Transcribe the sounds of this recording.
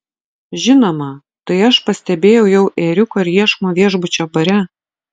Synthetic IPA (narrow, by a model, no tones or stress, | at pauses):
ʒʲɪnoːmɐ | t̪ɐɪɐʃpɐsʲt̪ʲɛbʲeːjɛʊjɛʊʔeːɾʲʊkoɪɾʲjiɛʃmoːʋʲiɛʒbʊt͡ʃʲoːbɐɾʲɛ